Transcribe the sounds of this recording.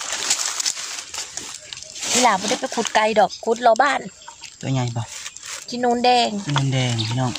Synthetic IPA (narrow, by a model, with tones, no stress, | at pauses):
tʰi˧˥˨laː˨˦bɔː˧da˥˩jpa˨˦jkʰu˧˩t̪̚ka˧jdɔː˨˩kʰːu˧˦t̪̚lɔː˧baː˧˥˨nt̪ṵ˧˦ɲa˧˩jbɔ˧˩˨tʰi˧˥˦nuː˧˥˨ndɛː˧ŋi˧˨nu˧˥˨ndɛː˧ŋtʰiː˧˨nɔː˧˩˨ŋ